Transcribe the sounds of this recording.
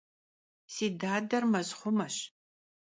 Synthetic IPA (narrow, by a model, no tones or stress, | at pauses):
siːdaːdɐrmɐzχʷʊmɐɕ